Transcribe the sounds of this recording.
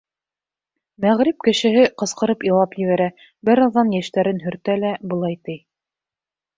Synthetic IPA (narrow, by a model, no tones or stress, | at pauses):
mæʁɾɪp̚kɘ̆ʃɘ̆ɦɘqɤ̆sqɤ̆ɾɤpjĭlˠɑpjɘ̆βæɾæ | bɘɾɑðːɑnjæʃt̪æɾɘnɦɵ̆ɾt̪ælæbŏlˠɑjt̪ɘj